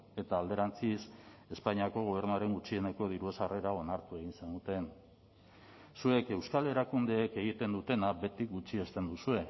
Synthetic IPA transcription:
e̞t̪aːld̪e̞ɾant͡sise̞spaɲiako̞ɣ̞o̞β̞e̞ɾnuaɾe̞ŋɡut͡ʃie̞ne̞ko̞ð̞iɾue̞sare̞ɾao̞naɾt̪ue̞ɣinsend̪ut̪e̞n | sue̞ke̞wskale̞ɾakund̪eːke̞ɣ̞it̪e̞nd̪ut̪e̞nabe̞t̪ikɡut͡ʃie̞st̪e̞nd̪usue̞

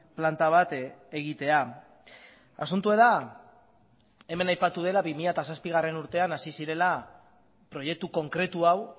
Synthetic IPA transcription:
plant̪aβ̞at̪e̞ɣ̞it̪e̞a | a̰sunt̪ue̞ða | e̞me̞najpat̪uð̞e̞laβimiʎat̪asaspiɣ̞are̞nuɾt̪e̞anasisiɾe̞la | pɾo̞je̞k̚t̪uko̞ŋkɾe̞t̪uaw

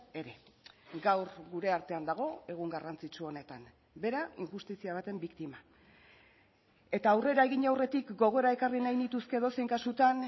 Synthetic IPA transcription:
e̞ɾe̞ɡawɾɡuɾe̞aɾt̪e̞and̪aɣ̞o̞e̞ɣ̞uŋɡarant͡sit͡ʃuo̞ne̞t̪an | be̞ɾaiŋxust̪isiaβ̞at̪e̞mbikt̪ima | e̞t̪aːwre̞ɾae̞ɣiɲawre̞t̪ikɡo̞ɣ̞oɾae̞karinajnit̪uske̞ðo̞sejŋkasut̪an

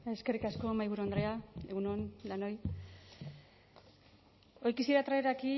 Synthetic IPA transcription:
eskerikasko̞majβuɾoand̪ɾe̞ae̞ɣunond̪ano̞j | o̞jkisiɾat̪ɾaeɾaki

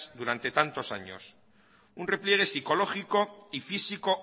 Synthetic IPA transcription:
sd̪uɾant̪e̞t̪ant̪osa̰ɲo̞̰s | unre̞plje̞ɣ̞e̞siko̞lo̞χiko̞ifisiko̞

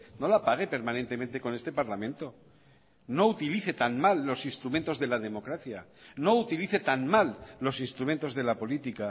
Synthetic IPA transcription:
no̞lapaɣ̞e̞pe̞ɾmãnent̪e̞mẽnt̪e̞ko̞ne̞st̪epaɾlamẽnt̪o̞ | no̞ut̪iliθe̞t̪anmalːo̞sinst̪ɾumẽ̞nt̪o̞zðe̞laðe̞mo̞kɾaθjano̞ut̪iliθe̞t̪anmalːosinst̪ɾument̪o̞zðe̞lapo̞lit̪ika

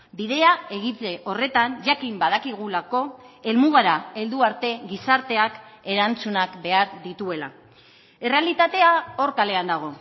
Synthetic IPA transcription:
biðe̞ae̞ɣit̪eʔo̞re̞t̪anʝakimbað̞akiɣ̞ulako̞e̞lmuɣaɾae̞ld̪uaɾt̪e̞ɣisaɾt̪e̞ake̞ɾant͡sunakbe̞aɾðit̪ue̞la̰ | ere̞alit̪at̪e̞ao̞ɾkale̞and̪aɣ̞o̞

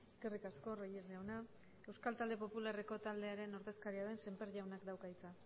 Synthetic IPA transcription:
e̞ske̞rikasko̞rojezʝawna | e̞wskalt̪ald̪e̞po̞pulare̞ko̞t̪ald̪e̞aɾe̞no̞ɾðe̞skaɾiað̞e̞nse̞mpe̞ɾʝawnakd̪awkait͡sa

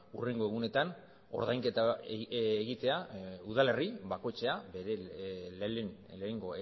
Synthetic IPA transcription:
ure̞ŋɡo̞e̞ɣune̞t̪an | o̞̰ɾðajŋke̞t̪aː | ɣit̪e̞auðale̞riβako̞jt͡ʃe̞abeɾelleŋɡo̞e

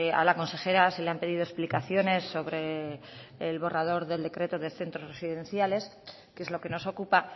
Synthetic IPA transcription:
a̰lako̞nse̞xe̞ɾase̞leampe̞ðiðoe̞splikaθjo̞ne̞sːo̞βɾe̞ː | lβo̞rað̞o̞ɾðe̞ld̪ekɾe̞t̪o̞ðe̞θe̞nt̪ɾo̞zre̞siðe̞nθjale̞s | keezlo̞ke̞no̞so̞kupa

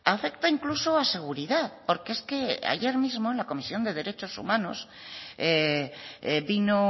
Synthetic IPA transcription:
afe̞kt̪aiŋklusoase̞ɣ̞uɾiðaðpo̞ɾkeeske̞a̰ʝe̞ɾmizmoenlako̞misjo̞nd̪e̞ð̞e̞ɾe̞t͡ʃo̞sṵmãnose | bino

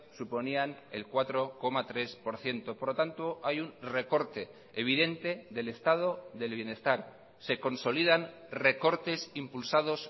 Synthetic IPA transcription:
supo̞niane̞̰lkwat̪ɾo̞ko̞mat̪ɾe̞spo̞ɾθje̞nt̪opoɾot̪ant̪o̞ajunre̞ko̞ɾt̪e̞ | eβ̞iðe̞nt̪e̞ðe̞le̞st̪að̞o̞ðe̞lβje̞ne̞st̪aɾ | se̞ko̞nso̞liðan | re̞ko̞ɾt̪e̞simpulsað̞o̞s

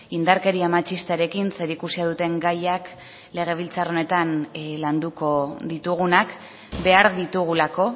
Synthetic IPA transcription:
ind̪aɾke̞ɾiamat͡ʃist̪aɾe̞kinse̞ɾikusiaðut̪e̞ŋɡajak | le̞ɣ̞e̞β̞ilt͡saro̞ne̞t̪anland̪uko̞ðit̪uɣunak | be̞aɾðit̪uɣ̞ulako̞

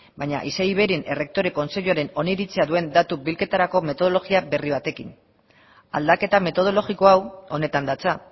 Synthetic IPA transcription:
bajɲa̰ʔisejβe̞ɾinʔe̞re̞k̚t̪o̞ɾe̞ko̞nse̞ʎuaɾe̞no̞niɾit͡se̞aðue̞nd̪at̪ubilke̞t̪aɾako̞met̪o̞ð̞o̞loɣiabe̞riβ̞at̪e̞kin | a̰ld̪ake̞t̪ame̞t̪o̞ð̞o̞lo̞ɣiko̞awo̞ne̞t̪and̪at͡sa

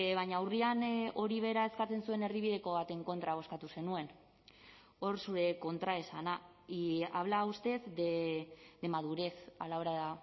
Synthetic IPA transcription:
βajɲaːwriano̞ɾiβ̞e̞ɾae̞skat͡se̞nsue̞ne̞rðiβiðe̞ko̞βat̪e̞ŋko̞nt̪ɾaβ̞o̞skat̪use̞nue̞n | o̞rsuɾe̞ko̞nt̪ɾae̞sana | aβ̞laust̪e̞zded̪e̞maðuɾe̞sa̰laoɾaða

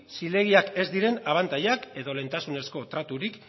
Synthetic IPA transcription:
sile̞ɣ̞iake̞zd̪iɾe̞naβ̞ant̪ajake̞ðo̞le̞nt̪asune̞sko̞t̪ɾat̪uɾik

